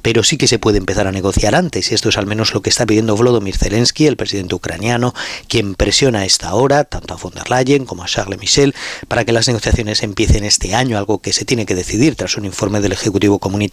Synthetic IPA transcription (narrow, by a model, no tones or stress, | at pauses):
pe̞ɾo̞sike̞se̞pwe̞ð̞empe̞θaɾane̞ɣ̞o̞θjaɾant̪e̞siest̪oe̞salmẽno̞zlo̞keːst̪ap̬iðje̞nd̪o̞βlo̞ð̞omiɾθe̞le̞nskie̞lpɾesiðe̞nt̪eukɾa̰njano̞kje̞mpɾe̞sjo̞nae̞st̪ao̞ɾat̪ant̪oafo̞nd̪e̞ɾlaʝeŋkomoaʃaɣle̞miʃe̞lpaɾake̞lazne̞ɣo̞θjaθjo̞ne̞se̞mpje̞θe̞ne̞st̪e̞aɲoalɣo̞ke̞set̪je̞ne̞ke̞ðe̞θiðiɾt̪ɾasunĩɱfo̞ɾme̞ð̞e̞le̞xe̞kut̪iβ̞o̞ko̞mũni